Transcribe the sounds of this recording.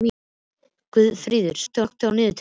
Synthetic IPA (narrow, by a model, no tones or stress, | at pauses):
kvʏðfɾiːðʏɾ̥st̪ɔkt̪awnɪːðʏt̪ʰ